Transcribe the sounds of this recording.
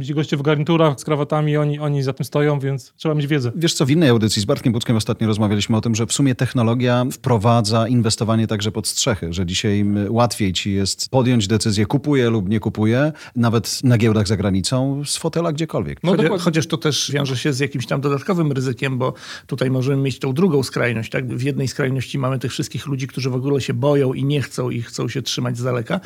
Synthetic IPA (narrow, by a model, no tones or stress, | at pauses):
mʲet͡ɕɡɔɕt͡ɕɛvɡaɾɲit̪uɾaxskɾavat̪amʲiɔɲiɔɲizat̪ɘmst̪ɔjɔ̃w̃vʲjɛnt̪st̪ʂɛbamʲed͡ʑʲvʲjɛd̪zɛvʲjɛʂt̪sɔvinːɛjawd̪ɘt̪sʲizbaɾt̪̚kʲembut̪skʲɛmɔst̪at̪ɲɔɾɔzmavʲjalʲiɕmɘɔt̪ɘmʐɛfsumʲɛt̪ɛxnɔlɔɡʲjafpɾɔvad̪zainvɛst̪ɔvaɲɛt̪aɡʐɛpɔt̪stʂɛxɘʐɛd͡ʑiɕajwat̪fʲjejt͡ɕijɛst̪pɔd̪jɔɲd͡ʑd̪ɛt̪sɘzʲjɛkupujɛlupɲɛkupujɛ | navɛt̪naɡʲjɛwd̪aɣzaɡɾaɲit̪sɔ̃w̃sfɔt̪ɛlaɡd͡ʑɛkɔlvʲjɛ̰knxɔt͡ɕaʂt̪ɔt̪ɛʂvʲjɔ̃w̃ʐɛɕɛzjakʲimɕt̪amd̪ɔd̪at̪̚kɔvɘmɾɘzɘkʲɛmbɔt̪ut̪ajmɔʐɛmɘmjet͡ɕt̪ɔ̃w̃d̪ɾuɡɔ̃w̃skɾajnɔɕt͡ɕt̪aɡ̚vjɛd̪nɛjskɾajnɔɕt͡ɕimamɘt̪ɘxfʂɘst̪kʲixlud͡ʑikt̪uʐɘvɔɡulɛɕɛbɔjɔ̃w̃ʔiɲɛxt̪sɔ̃w̃ixt̪sɔ̃w̃ɕɛtʂɘmad͡ʑʲzd̪alɛka